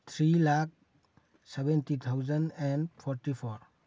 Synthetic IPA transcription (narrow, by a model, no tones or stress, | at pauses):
t̪ʰɾilak̚ | sebentit̪ʰawzənɛnpʰɔɾtipʰɔɾ